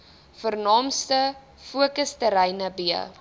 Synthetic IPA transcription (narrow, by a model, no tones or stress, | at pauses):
fərnɑːmstə | fuəkəstəɾəjnəbiə̰